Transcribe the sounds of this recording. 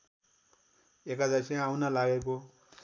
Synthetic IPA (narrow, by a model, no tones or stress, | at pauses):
ekad͡zasʰĩawnʌlaɡeko